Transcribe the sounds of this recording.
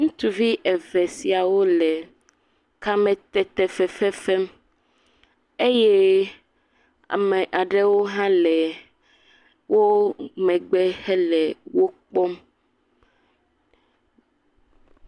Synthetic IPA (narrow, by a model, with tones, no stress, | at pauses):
ŋũ˦t̪u˨vi˦ʔɛ˨vɛ˨si˨a˨wo˦lɛ˨ | ka˦mɛ̃˦t̪ɛ˨t̪ɛ˨fɛ˨fɛ˦fɛ˦m | e˦je˦ | a̰˨me˨ʔa˨ɖe˦wo˦ɦã˦lɛ˨ | wo˦mɛ̃˨ɡ͡bɛ˦hɛ˦lɛ˨wo˦k͡pɔ˦m